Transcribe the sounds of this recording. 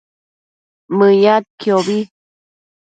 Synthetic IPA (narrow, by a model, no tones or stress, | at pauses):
məjat̪̚kjoβi